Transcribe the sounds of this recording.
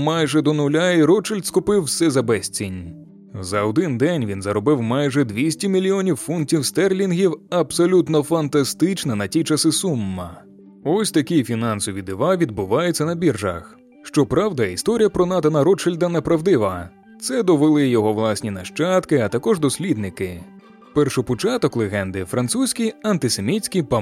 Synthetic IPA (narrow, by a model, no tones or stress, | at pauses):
majʒɛd̪ɔnʊlʲaiɾɔt͡ʃɪlʲd̪skʊpɪwsɛzɐbɛsʲt͡sʲinʲ | zɐɔd̪ɪnd̪ɛnʲʋʲinzɐɾɔbɪwmajʒɛd̪ʋʲisʲtʲimʲilʲiɔnʲiwfuntʲiwst̪ɛrlʲinɦʲiwɐbsɔlʲut̪nɔfɐnt̪ɐst̪ɪt͡ʃnɐnɐtʲit͡ʃɐsɪsumːɐ̰ | ɔsʲt̪ɐkʲijfʲinɑnsɔʋʲid̪ɪʋaʋʲid̪̚bʊʋɑjʊt͡sʲːɐnɐbʲirʒɐ̰x | ʃt͡ʃɔpɾawd̪ɐist̪ɔɾʲijɐpɾɔnat̪ɐnɐɾɔt͡ʃɪlʲd̪ɐnːepɾɐwd̪ɪʋɐ | t̪sɛd̪ɔʋelˠɪjɔɦɔʋlˠasʲnʲinɐʃt͡ʃat̪kɪɐt̪ɐkɔʒd̪ɔsʲlʲid̪nɪkɪ | pɛrʃʊpɔt͡ʃat̪ɔklˠeɦɛnd̪ɪfɾɐnt̪susʲkʲijɐnt̪ɪse̞mʲit͡sʲkʲijpɐ